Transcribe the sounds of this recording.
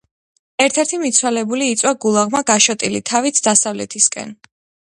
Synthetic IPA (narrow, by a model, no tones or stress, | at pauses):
ɛɾt̪ʰɛɾt̪ʰimit̪sʰwalɛbuliːt̪sʼwaɡulˠaʁmaɡaʃɔt̪ʼilit̪ʰavit̪sʰd̪asavlɛ̰t̪ʰiskʼɛ̰n